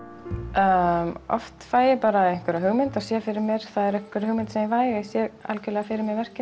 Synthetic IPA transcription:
ɔ̰ft̪faːjɪpaːɾaɛjŋ̥kvɛɾaɦʏɣmɪnt̪asjɛːafɪɾɪɾmjɛɾ̥θaðɛɾɛŋkvɛɾahʏɣmɪnt̪sɛmjɛvaːjɪsjɛɣa̰lkʏlɛɣafɪɾɪɾmjɛɣvɛr̥cɪ

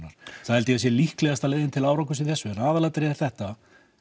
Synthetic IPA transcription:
naɾ̥θahɛlt̪ɪasjɛlihklɛɣast̪aleːjðɪnt̪ʰɪlaːwɾawkʏsɪðθɛsːʏɛnaːðalat̪ɾɪɛɾ̥θɛht̪a

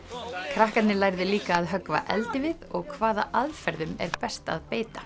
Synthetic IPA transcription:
kʰɾahkat̪nɪlajɾðɪliːkaːðɦœkva̰ʔɛ̰lt̪ɪvɪðɔɣkʰvaːða̰ʔaðfɛɾðʏmɛ̰ɾpɛst̪a̰ðpeːjt̪a

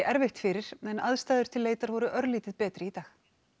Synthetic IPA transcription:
ɪʔɛɾvɪxt̪fɪɾɪɾ̥ɛnaðst̪aːðʏɾ̥t̪ʰɪlːeːjt̪aɾvɔɾʏʔœɾliːt̪ɪðpɛːt̪ɾɪit̪aːx

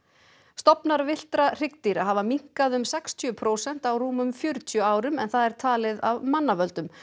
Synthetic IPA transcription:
st̪ɔpnaɾvɪl̥t̪ɾar̥ɪk̚t̪iɾaɦavamiŋ̥kaðʏmsɛkst̪ʰjœpʰɾoːwsɛn̥t̪awruːmʏmfjœɾʏt̪ʰjœaːwɾʏmɛnθaðɛɾ̥t̪ʰaːlɪðavmanːavœlt̪ʏm

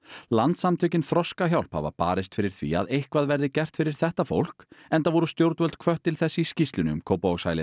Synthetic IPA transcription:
lant̪samt̪ʰœcɪnfɾɔskaçjawl̥pha̰va̰pa̰ːɾɪst̪fɪɾɪɾ̥θvḭa̰ðejhkvaðvɛɾðɪcɛr̥t̪fɪɾɪɾ̥θɛht̪afo̰wl̥kɛnt̪avɔɾʏst̪jowɾt̪vœlt̪̚kʰvœht̪ːɪlθɛsːɪiscist̪lʏnʏmkʰoːwpaaɣsa̰jlɪ

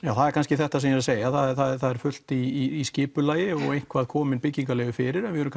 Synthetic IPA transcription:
jaːwθaðɛɾkʰanscɪθɛht̪as̬ɛmjɛɾaseːjaθaðɛθaðɛ̥θaðɛɾ̥fʏl̥t̪iːscɪːpʏlaːjɪɔɣejŋ̥kʰvaðkʰɔːmɪnpɪcːiŋkalɛɣʏfɪːɾɪɾɛnvɪhœɾmk

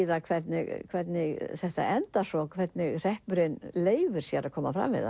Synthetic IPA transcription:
ðakʰvɛt̪nɪ̰ɣkʰvɛt̪nɪɣθɛht̪a̰ʔɛnt̪asɔkʰvɛt̪nɪɣr̥ɛhpʏɾɪnleːjvɪɾ̥sjaɾakʰɔːmafɾa̰mvɪ̰ða̰

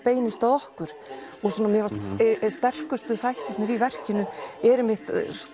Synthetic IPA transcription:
peːjnɪst̪aðɔhkʏɾ̥ɔɣsɔnːamjɛvast̪st̪ɛr̥kʏst̪ʏθajht̪ɪt̪nɪɾivɛr̥cɪnʏɛɾɛmɪht̪s

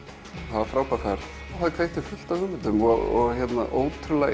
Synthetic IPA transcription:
havafɾaːwpafaɾ | faɪkʰvejt̪ʏfʏl̥t̪aʏmɪnt̪ʏmɔɔɣçɛt̪na̰ʔoːwt̪ʰɾʏla

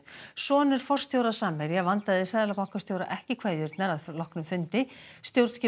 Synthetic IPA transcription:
sɔːnɪɾ̥fɔr̥st̪ʰjowɾasaːmɛɾjavant̪aðɪsaːðalapawŋ̥kḁst̪ʰjowɾa̰ʔɛhcɪkʰvaːjðʏɾt̪naɾaðlɔhknʏmfʏnt̪ɪst̪jowɾt̪scɪ

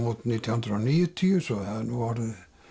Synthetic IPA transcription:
mut̪nit̪ɑnt̪rɑniːet̪ʰːiøsohæːnuɑre

